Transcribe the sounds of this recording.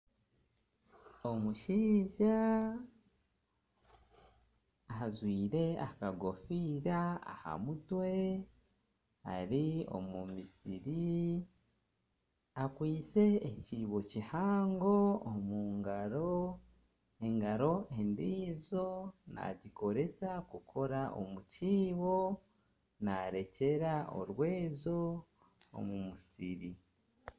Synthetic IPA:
o̞muʃiːʒa | azwiːɾe̞akaɡo̞fiːɾaa̰ha̰mutwe̞ | ha̰ɾio̞̰mumisḭɾi | akwiːt͡se̞ːciːβo̞cihaːŋɡo̞ːmuːŋɡaɾo̞ | e̞ŋɡaɾo̞ʔe̞ndiːzo̞na̰ɟiko̞ɾe̞sakukʰo̞ɾaʔo̞̰muciːβo̞ | naɾe̞ce̞ɾao̞̰ɾwe̞ːzo̞ | o̰mumusiɾi

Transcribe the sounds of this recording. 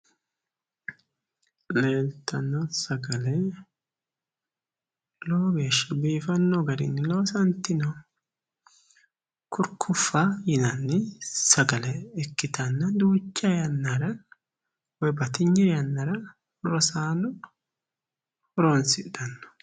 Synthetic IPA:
le̞ːlt̪ʰːɐnːɔsɐɡɐlɛ | loːɡeːʃːɐbiːfɐnːɔɡɐɾɪ̰nːɪlo̞ːsɐnt̪ːɪnɔ | kʰʊɾkʰːʊfːajɪnɐnːɪsɐɡɐlɛɛkːɪt̪ɐnːɐd̪uːt͡ʃːajɐnːaɾɐ | wɔjbɐt̪ɪɲːɛjɐnːɐɾɐ | ɾɔsaːnʊ | hɔɾonsɪd̪ɐnːɔ̥

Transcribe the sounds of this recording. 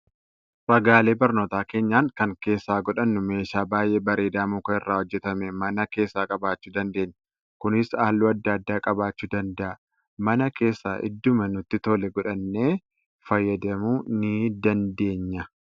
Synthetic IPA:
ɾɐɡaːle̞ːbɐɾno̞ːt̪aːke̞ːɲːaːŋkɐŋke̞ːsːaːɡɔᶑɐnːʊme̞ːʃaːbaːjʔeːbɐɾeːd̪aːmuːkɐɪrːaːhɔd͡ʒːɛt̪ɐmɛmɐnɐke̞ːsːaːkʼɐbaːt͡ʃːuːd̪ɐnd̪e̞ːɲːɐ | kʊnɪsaːlːuːɐd̪ːɐɐd̪ːaːkʼɐbaːt͡ʃːuːd̪ɐnd̪ɐʔɐ | mɐnɐke̞ːsːaːʔɪ̰d̪ːʊmɐnʊt̪ːɪt̪oːlɛɡɔᶑɐnːe̞ː | fɐjːɐd̪ɐmuːnɪd̪ɐnd̪e̞ːɲːɐ

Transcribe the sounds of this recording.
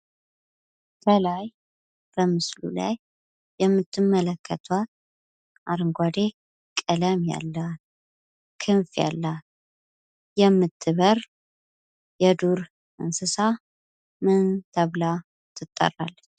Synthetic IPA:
b̪əlaj | b̥əmɨslṵla̰jː | ɛmːɨt̪ʰːɨmːələkʰːət̪ʰwat̪ | ʔaɾɨŋɡʷad̪e | kʼɨləmja̰lːə | kʰɨnfja̰lːt | jɛmːɨt̪ʰːɨβəɾ | jɛd̪uɾ | ʔɨ̰nsɨsa | mɨnt̪ʰəβla | t̪ʰɨt̪ʼːə̰rːa̰lːt͡ʃː

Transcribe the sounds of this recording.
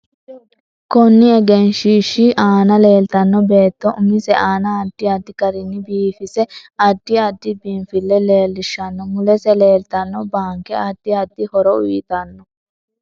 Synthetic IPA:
kɔnːɪɛɡɛnʃiːʃiʔaːnɐle̞ːlt̪ɐnːɔbe̞ːt̪ːɔʔʊmɪsɛʔaːnɐːd̪̥ːɪɐd̪ːɪkɐɾɪnːɪbiːfɪsɛɐd̪̥ːɪɐd̪ːɪbiːnfɪlːɛle̞ːlːɪʃɐnːɔmʊlɛsɛleːlt̪ɐnːɔbaːŋkɛɐd̪̥ːɪɐd̪ːɪhɔɾɔʊjɪt̪ɐnːɔ

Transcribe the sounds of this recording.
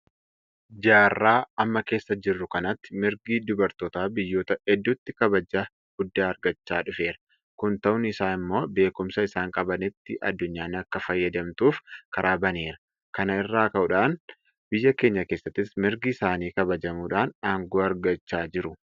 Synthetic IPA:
d͡ʒaːrːaːɐmːɐke̞ːsːɐd͡ʒɪrːʊkɐnɐt̪ːɪ̥mɪɾɡiːd̪ʊbɐɾt̪oːt̪aːbɪjːo̞ːt̪ɐɛd̪ːʊt̪ːɪkɐbɐd͡ʒaː | ɡ̥ʊd̪ːaːɐɾɡɐt͡ʃːaːᶑʊfe̞ːɾɐ̥ | kʊnt̪ɐʊnɪsaːnɪmːo̞ːbe̞ːkʊmsɐɪsaːŋkʼɐbɐnɪt̪ːɪʔɐ̰d̪ːʊɲːaːnɐkːɐfɐjːɐd̪ɐmt̪uːfkɐɾʔaːbɐneːɾɐ̥ | kɐnɐɪrːaːkɐʔʊᶑaːn | b̥ɪjːɐke̞ːɲːɐkeːsːɐt̪ːɪsmɪɾɡiːsaːniːkɐbɐd͡ʒɐmuːᶑaːnaːŋɡoːɐɾɡɐt͡ʃːaːd͡ʒɪɾʊ

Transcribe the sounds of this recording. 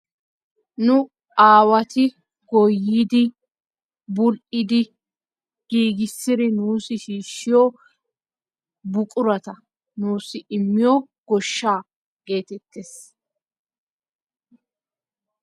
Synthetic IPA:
nʊ | aːwɐt̪ɪ | ɡɔjːiːd̪ɪ | bʊlʔɪd̪ɪ | ɡ̥iːɡɪsːɪɾɪnuːsɪʃiːʃːɪjɔ | bʊkʼʊɾɐt̪ɐ | nuːsɪʔɪmːɪjɔ | ɡ̥ɔʃːaː | ɡ̥e̞ːt̪ɛt̪ːes

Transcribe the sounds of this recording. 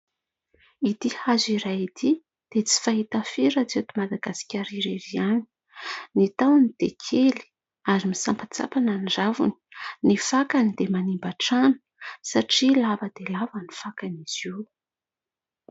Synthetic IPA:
id̪ihaziɾajit̪i | d̪̥et͡si̥faɦit̪afiɾat͡set̪umad̪aɡasi̥kʲaɾiɾeviani̥ | nit̪awnid̪̥ekʰeli̥ | aɾimisampat͡sa̰pananiɖ͡ʐavṵni̥nifakanid̪emanimbaʈ͡ʂanu̥saʈ͡ʂilavəd̪̥elavanifakaniz̥iw

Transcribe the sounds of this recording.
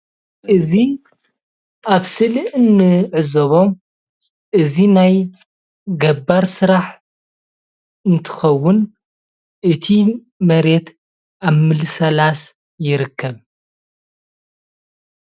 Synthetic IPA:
ʔɨzi | ʔaβsɨlɨʔɨnːɨʕɨzoβo̞m | ʔɨzinaj | ɡɐbaɾsɨɾaħ | ɨnt̪ʰɨ̥xɐwːʊn | ʔɨt̪ʰi | mɐɾe̞t̪ | ʔaβmɨlɨsɐlas | jɪɾɨkːɐβ

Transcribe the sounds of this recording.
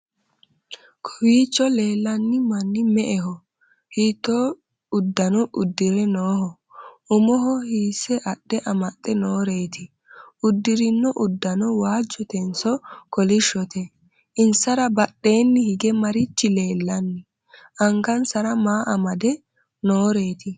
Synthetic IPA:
kʰɔwiːt͡ʃːɔle̞ːlːɐnːɪmɐnːɪmɛʔɛɦɔ | hiːt̪ːoː | ʊd̪ːɐnɔʔʊd̪ːɪɾɛnoːhɔ | ʊmɔɦɔhiːsɛʔɐɗːɛʔɐmɐt̪ʼːɛnoːɾe̞ːt̪ɪ | ʊd̪ːɪɾɪnːɔʔʊd̪ːɐnɔwaːd͡ʒːɔt̪ɛnsɔkɔlɪʃːɔt̪ɛ | ʔɪnsɐɾɐbɐɗːe̞ːnːɪhɪɡɛmɐɾɪt͡ʃːɪleːlːɐnːɪ | ʔɐŋɡɐnsɐɾɐmaːʔɐmɐd̪ɛ | noːɾe̞ːt̪ɪ

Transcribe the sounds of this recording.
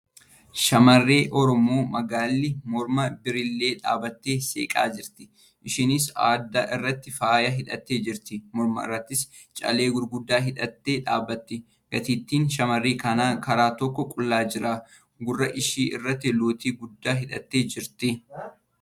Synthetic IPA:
ʃɐmɐrːe̞ːʔɔɾɔmoːmɐɡaːlːɪmɔɾmɐbɪɾɪlːe̞ːᶑa̰ːbɐt̪ːeːsḛːkʼa̰ːd͡ʒɪɾt̪ɪ̥ | ʔɪʃɪnɪsa̰ːd̪ːaʔɪrːɐt̪ːɪfaːjɐɦɪᶑɐt̪ːe̞ːd͡ʒɪɾt̪ɪmɔɾmɐ̰ɪ̰rːɐt̪ːɪs | t͡ʃʼɐ̰le̞ːɡʊɾɡʊd̪ːaːɦɪᶑɐt̪ːe̞ːᶑa̰ːbːɐt̪ːɪ | ɡ̥ɐt̪iːt̪ːiːnʃɐmɐrːeːkɐnaːkɐɾaːt̪ɔkːɔkʼʊlːaːd͡ʒɪɾaː | ɡʊrːɐʔɪʃiːʔɪ̰rːɐt̪ːɪloːt̪iːɡʊd̪ːaːɦɪᶑɐt̪ːeːd͡ʒɪɾt̪ɪ

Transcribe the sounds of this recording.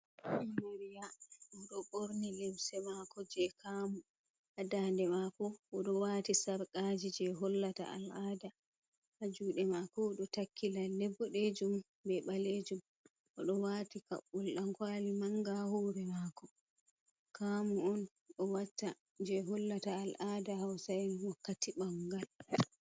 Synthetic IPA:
mmeɾijaɔɗɔɓoɾnilɛmsɛmakɔd͡ʒɛkʰamu | ʔadaːndɛmakɔʔɔɗɔwaːtisaɾkʼaːd͡ʒid͡ʒɛɦɔlːata̰ʔa̰lʔaːda | had͡ʒuːɗɛmaːkɔɗɔtakʰːilalɛbːɔɗed͡ʒum | bɛɓaled͡ʒum | ʔɔɗɔwatika̰ɓːulɗaŋkwaːlimaŋɡahɔːɾɛmaːkɔ | kʰaːmuɔn | ɗɔwatːa | d͡ʒɛɦɔlːataːlʔaːdahawsajnwɔkːatiɓaŋɡal

